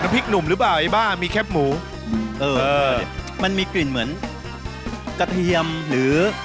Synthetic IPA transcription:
na˧˥pʰi˦˥k̚nu˨˩mɾɯ˩˦˥p̬laː˨˩ʔa˧˩jbaː˥˩ŋmiː˧kʰɛ˦˥˩p̚muː˩˦˧ | ʔɤː˧ɤː˧˩ma˧nmiː˧kli˨˩nmɯ˩˦ən | ka˧t̪ʰi˧əmɾɯː˩˦

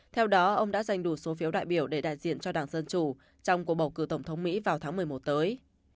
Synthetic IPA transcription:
t̪ʰɛ˧wɗɔ˨˦ʔə˧wŋ͡mɗa̰ː˧˥za˧˩jŋ̟ɗu˧˩so˨˦fi˨˦əwɗa̰ː˧˨jɓi˧˩əwɗe˧˩ɗa̰ː˧˨jzḭ˧˨ənt͡ɕɔ˧ɗaː˨˩ŋzə˧nt͡ɕu˧˩ | t͡ɕɔ˧wŋ͡mku˨˩əɓə˨˩wkɨ˧˩t̪ə˧˩wŋ͡mt̪ʰə˨˦wŋ͡mmḭ˧˥vaː˨˩wt̪ʰaː˨˦ŋm˨˩əjmo˨˩t̚t̪əː˨˦j

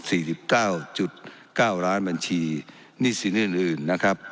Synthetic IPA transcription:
siː˨˩si˨˩p̚kaː˥˩wt͡ɕu˨˩t̪̚kaː˥˩wɾaː˦˥nba˧nt͡ɕʰiː˧ | niː˦˥˩si˨˦nɯ˥˩nʔɯː˨˩nːa˦˥kʰɾa˦˥p̚

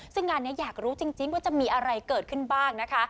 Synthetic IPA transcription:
sɯ˥˩ŋːaː˧nːi˦˥ɐjaː˨˩k̚ɾuː˦˥t͡ɕi˧ŋt͡ɕi˧ŋwaː˥˩t͡ɕa˨˩miː˧ʔa˧ɾa˧jkɤː˨˩t̪̚kʰɯ˥˩nbaː˥˩ŋna˦˥kʰa˦˥

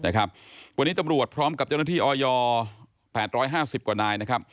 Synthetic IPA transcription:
na˦˥˩kʰa˦˥p̚wa˧nːiː˦˥t̪a˧mɾu˨˩ət̪̚pʰɾɔː˦˥mka˨˩p̚t͡ɕa˥˩na˥˩t̪ʰiː˥˩ʔɔː˧jɔː˧ | pʰɛː˨˩t̪̚ɾɔː˦˥jɦaː˥˩si˨˩p̚kwaː˨˩naː˧jna˦˥kʰa˦˥p̚

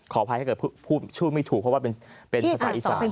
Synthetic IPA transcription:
kʰɔː˩˦pʰa˧˥˩ɤː˨˩˥pʰuː˥˩t̪t͡ɕʰuː˥˩ma˥˩jt̪ʰu˨˩pʰɔ˦˥waː˥˩p̬e˧pe˧nʰ˧a˧˥saː˩˦ʔi˨˩saː˨˦˩

